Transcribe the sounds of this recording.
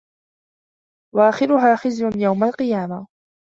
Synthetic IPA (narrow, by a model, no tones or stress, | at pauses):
waʔaːxɪɾʊɦaːxɪzjʊnjawmalqɨjaːma